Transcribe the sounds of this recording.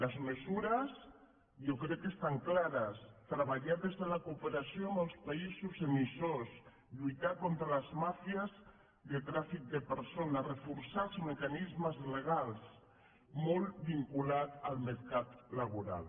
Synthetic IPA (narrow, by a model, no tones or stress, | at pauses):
lazmesuɾas | jokɾɛkːest̪aŋklaɾast̪ɾaβ̞aʎaɾðezðelakuːpeɾasjoaməlˠspaizuzemisos | ʎujt̪akont̪ɾalazmafiaz | ðet̪ɾafik̚d̪epeɾsonarefuɾsazmekanizməzleɣ̞als | molbiŋkulat̪almeɾkat̪laβuɾa̰l